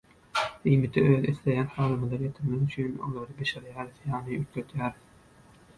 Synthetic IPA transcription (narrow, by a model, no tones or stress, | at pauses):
imit̪ʰiø̞ːðiθlejæːnhɑːlˠɯmɯlˠɑɾjet̪ʰiɾmeɣyt͡ʃʰyno̰lˠɑɾɯbeʃeɾjæːɾiθjɑːnɯyt̪løt̪ʰjæːɾiθ